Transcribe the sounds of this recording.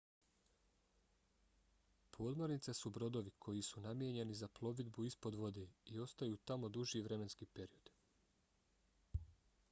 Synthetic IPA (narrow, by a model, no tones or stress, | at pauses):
pʰo̞ːd̪mo̞ɾnit̪sesubɾo̞d̪o̞ʋikʰo̞jisunamje̞ɲe̞nizaplˠo̞ʋid̪buispo̞d̪ʋo̞d̪eːio̞st̪ajuːt̪amo̞d̪uʒjiʋɾe̞me̞nskiːpe̞ɾio̞d̪̥